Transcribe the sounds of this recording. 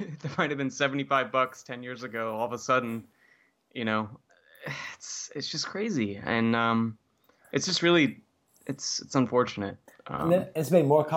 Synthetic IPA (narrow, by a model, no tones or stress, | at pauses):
ðə˞maɪtɨvbɨ̃nsɛvn̩tifaɪvbʌkstʰɛ̃njɪɹzɨɡoʊɔlˠðəsʌdⁿn̩ | jɨñoʊ | ɪtsɪtsd̥ʒ̥ʌskʰɹ̥eɪziɨ̰̃nʌ̃m | ʔɨtsd̥ʒ̥ʌst̚ɹɪlˠi | ɨtsɨtsə̃ɱfɔɹt͡ʃɨnɨ̰t̚ʔʌ̰̃ɨtsmeɪd̚mɔɹkʰ